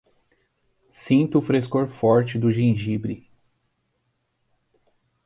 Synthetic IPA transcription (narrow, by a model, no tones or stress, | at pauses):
sĩnt̪ʊːfɾeskoɾfɔɾt͡ʃɪd̪ʊʒĩʒibɾi